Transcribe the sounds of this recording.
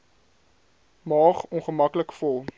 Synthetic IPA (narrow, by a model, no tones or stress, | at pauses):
mɑːχɔnχəmɐkləkfɔlˠ